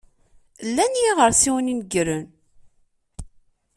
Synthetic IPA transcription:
lːænjiʁəɾsiwninɡɾən

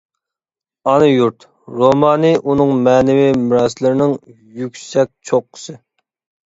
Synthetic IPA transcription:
ɑnɨjuɾt̪ | ɾomɑːnɨʔunɨŋmɛːnɪwimɪɾɑslɪɾnɪŋ | jykʲsɛk̚ʲt͡ʃʰoqʰːə̥sɨ

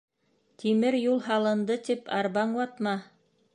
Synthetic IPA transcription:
t̪imɘɾjulˠɦɑlˠɤ̆nd̪ɤt̪ipɑ̰ɾβɑɴwɑt̪mɑ

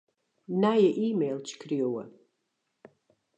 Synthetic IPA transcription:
naːjɛʔiːmejlt͡ʃʰkʰrijowɐ̰

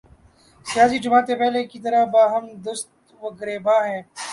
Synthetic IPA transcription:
sɪjaːsiːd͡ʒʊmaːt̪epɛːlekit̪əɾabaːɦəmd̪ʊst̪̚ | ʋəɡɾeːbaːɦɛ̃ː

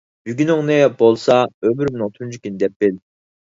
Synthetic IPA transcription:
byɡʲynʊŋnɨbolˠsɑøbyɾmʊnʊŋt̪ʰund͡ʒʰykʲind̪ɛp̚b̥ɪl

